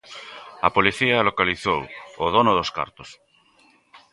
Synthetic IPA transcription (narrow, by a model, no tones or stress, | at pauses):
apoliθialokaliθowoð̞onoðoska̰ɾt̪os